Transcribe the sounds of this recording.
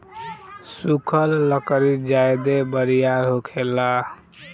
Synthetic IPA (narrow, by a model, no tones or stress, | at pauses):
sukʰəlːəkəɾid͡ʒajd̪ebəɾijaɾɦokʰelːa